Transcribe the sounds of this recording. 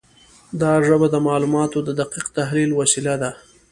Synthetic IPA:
d̪ɑʐəbad̪əmɑlumɑt̪od̪əd̪aqiqt̪aɦlilwasilad̪a

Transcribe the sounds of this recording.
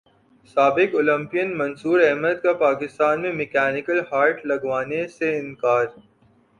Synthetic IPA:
saːbɪkʊlə̃mpijənmɐnsuːɾɛɦməd̪̚kapaːkɪst̪aːnmẽmɪkɛːnɪkəlhaːɾʈlɐɡʋaːneseɪ̃nkaːɾ

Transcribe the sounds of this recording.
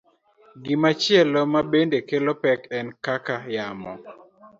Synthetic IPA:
ɡɪmat͡ʃɪɛlomabendekelopɛkɛnkakajamɔ

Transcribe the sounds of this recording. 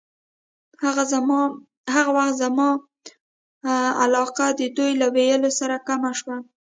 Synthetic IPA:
hɣ | haɣawaxt̪zamɑ | alɑqad̪əd̪ujlawejəlosaɾakamaʃwa

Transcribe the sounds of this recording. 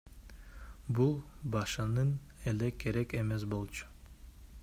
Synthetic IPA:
bulˠbɑʃɯnɯn | elekʰːe̞ɾeke̞me̞s̬bo̞lˠt͡ʃʰu̥

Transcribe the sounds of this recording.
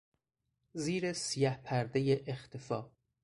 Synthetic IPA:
ziːɾesijæhpʰæɾd̪ejeʔext̪ʰefɒː

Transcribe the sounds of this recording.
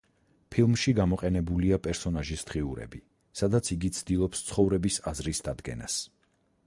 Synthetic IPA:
pʰilˠmʃiɡamɔqʼɛnɛbuliapʼɛɾsɔnaʒisd̪̥ʁiuɾɛ̰bi | sad̪at̪sʰiɡit̪sʰd̪̥ilˠɔpst̪sʰχɔvɾɛbisazɾisd̪ad̪ɡɛ̰nas

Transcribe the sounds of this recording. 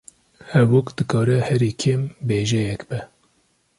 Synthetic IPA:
hɛvokd̪ɨkʰɑːɾɛhɛɾiːkʰembeːʒɛjɛkbɛ

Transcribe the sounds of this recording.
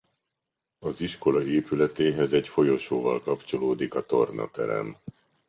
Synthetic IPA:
ɒziʃko̞lɒeːpylɛt̪eːɦɛzɛɟfo̞jo̞ʃoːvɒlkɒpt͡ʃo̞loːd̪ikɒt̪o̞rnʔɒ̰t̪ɛ̰ɾɛ̰m

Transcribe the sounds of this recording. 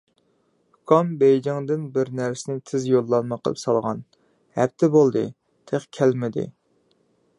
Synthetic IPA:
kʰɑmbejd͡ʒɪŋd̪ɪnbɪɾnæɾsɪnɪt̪ʰɪzjolˠːɑnmɑqʰə̰lˠɨ̰psɑlˠʁɑ̰n | hæ̰p̚t̪ʰɪbolˠd̪ɨ̰ | t̪ʰeχkʲʰælmɪd̪ɪ̰

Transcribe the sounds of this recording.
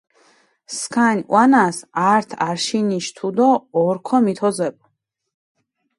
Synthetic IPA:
skʰanʲw̰anasaɾt̪ʰaɾʃiniʃt̪ʰud̪ɔɔɾkʰɔmit̪ʰɔzɛb̚ʼ

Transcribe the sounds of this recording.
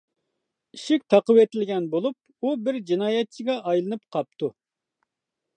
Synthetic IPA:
iʃɪk̚ʲt̪ʰɑqəwet̪ɪlɡʲɛnbolˠup̚ | ubɪɾd͡ʒinɑːjɛt̪̚t͡ʃʰɪɡʲɑʔɑjlˠɨnɨpqʰɑp̚t̪u

